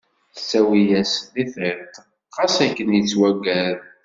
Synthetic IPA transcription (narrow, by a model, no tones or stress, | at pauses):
θsːæwijæsliθɪɾt̪ | qɑsækːənjət͡sːwæɡæɾ